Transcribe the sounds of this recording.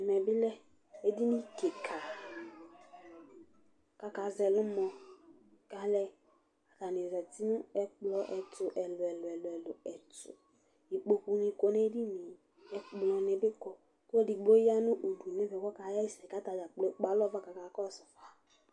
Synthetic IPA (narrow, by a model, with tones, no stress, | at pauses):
ɛ˨mɛ˨bɪ˦lɛ˦ | e˦di˦ni˦ke˨kʰa˨ | ka˦ka˨zɛ˨lʊ˦mɔ˧ | ka˨˦lɛ˦ | a˨ta˨ni˨zɛ˨ti˦nʊ̃˦ɛ˦k͡plɔ˦ʔɛ˨tʊ˨ʔɛ˨lʊ˨ɛ˨lɛ˨lʊ˨ɛ˨lʊ˨ɛ˨tʊ̰˨ | i˨k͡po˨ku˨nĩ˧ko˨ne˦di˦ni˨ | ɛ˨k͡plɔ˨nɛ˨bɪ˦kɔ˨ | ko˦e˦di˨ɡ͡bo˦ja˦nʊ̃˦ʔo˨du˨nɛ˦vɛ˨wɔ˦ka˨˦ja˦i˦sɛ˨ka˨˦ta˨d͡ʒa˨k͡plo˦k͡pa˨˦lɔ˦va˦ka˨ka˨˦kɔ˦sɔ˨fa˨